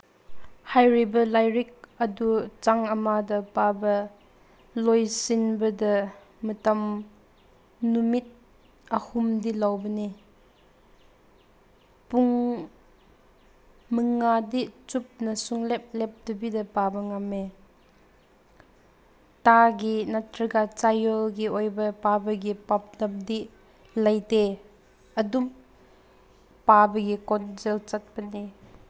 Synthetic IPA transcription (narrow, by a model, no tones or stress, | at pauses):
hajɾibɐlajɾik̚ədut͡saŋɐmadɐpabɐ | lojsinbədɐ | mətɐm | numit̪̚ | əhumdilawbəni | puŋ | məŋadiʔt͡sup̚nɐsuŋlɛp̚lɛp̚d̪ubidɐpabəŋame | taɡinatɾiɡat͡sajɔlɡiʔɔjbɐpabəɡipap̚dɐm̚d̪iʔ | lɐjte | ʔɐdum | pabəɡikɔnzɛlt͡sɐt̪̚bɐni